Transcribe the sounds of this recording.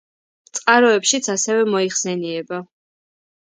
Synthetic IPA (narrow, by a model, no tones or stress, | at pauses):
t̪sʼqʼaɾɔɛpʃit̪sʰasɛvɛmɔiχsɛniɛba